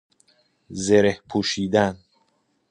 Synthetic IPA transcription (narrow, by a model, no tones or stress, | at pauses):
zeɾehpʰuːʃiːd̪æn